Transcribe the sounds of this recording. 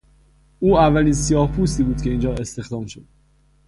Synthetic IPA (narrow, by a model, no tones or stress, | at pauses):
uːævːæliːnsijɒːhpʰuːst̪iːbuːd̪̥cʰe̞iːnd͡ʒɒːe̞st̪e̞xd̪ɒːmʃo̞d̪̥